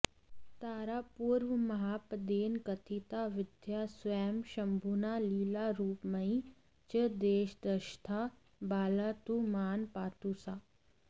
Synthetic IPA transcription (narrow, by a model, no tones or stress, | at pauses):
t̪aːɾaːpuːɾʋmɐɦaːpəd̪eːnkɐt̪ʰit̪aːʋɪd̪jaːsʋɛːmʃɐmbʱunaːliːlaːɾuːpmɐĩ | t͡ʃəd̪eːʃd̪əʃt̪ʰa | baːlaːt̪umaːnpaːt̪usaː